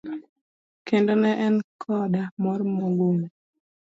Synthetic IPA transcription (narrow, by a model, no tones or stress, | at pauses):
kendonɛʔɛnkʰɔdamɔɾmoɡuŋ